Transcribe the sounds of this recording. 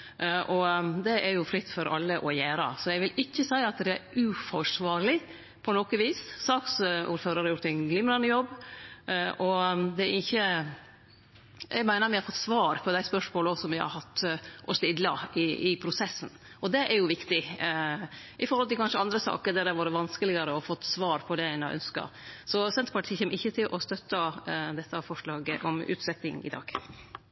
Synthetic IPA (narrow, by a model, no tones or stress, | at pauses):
ʔɔd̪ɛʔæɾjʊfɾɪt̪ːfɔɾʔɑ̰lːəʔɔjæːɾə̰sɔjɛɡʋɪlɪçːəsæɪɑt̪d̪ɛæɾʉːfɔʂʋɑːɾɭɪ | pʰɔnɔkəʋiːssɑːksṵːɾføːɾəɾhɑɾjʊɾt̪ɛnɡlɪmɾɑnːəjɔbː | ʔɔd̪ɛɾɪçːə | ɛ̰ɡmæɪnəɾmɛɪhɑɾfɔt̪ːsʋɑːɾpʰɔd̪æɪspœʂmoːlɔsɔmʋɪhɑ̰ɾhɑt̪ːʔɔst̪ɪd̪lɑɪɪpʰɾʊsɛsn̩ | ʔɔd̪ɛʔæɾjʊʋɪkt̪ɪ | ʔɪfɔɾhɔlt̪ɪlkʰɑnʂəɪɑnd̪ɾəsɑ̰ːkəd̪ɛd̪ɛʋɑːɾəʋɑnskəlɪɡəɾəɔfɔt̪ːsʋɑːɾpʰɔd̪ɛæɪnɑʔœ̰nskɑ̰ɾsɔsɛnt̪əpɑʈʰiːçɛːmːəɾɪçːət̪ʰɪlʔɔst̪œt̪ːəd̪ɛt̪ːɑfɔʂɭɑːɡəʔɔmʉ̰ːt̪sɛt̪ːɪŋɪ̰d̪ɑ̰ːɡ̥